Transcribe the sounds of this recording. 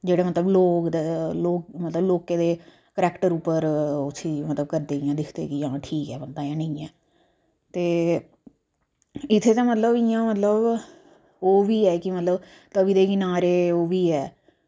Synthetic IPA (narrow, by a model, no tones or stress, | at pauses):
d͡ʒeːɽaːmət̪ləbloːkd̪eːloːkmət̪ləbloːkẽːd̪eː | kəɾɛːkʈəɾupːəɾʊt̪ʰːiːmət̪ləbkəɾd̪eːɪjãːd̪ɪkʰd̪ḛːkɪjãːʈʰiːkɛːbənd̪aːjãːnəĩːɛː | t̪eː | ɪt̪ʰːeːt̪ãːmət̪ləbɪjãːmət̪ləb | oːʋiːɛːkɪmət̪ləb | t̪əbiːd̪eːkɪnaːɾeːoːʋiːɛː